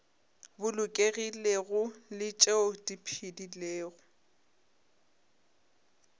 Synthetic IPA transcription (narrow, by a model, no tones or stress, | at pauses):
bʊlʊkʼeɣileɣʊlɪt͡ʃʼeʊdipʰidileːɣʊ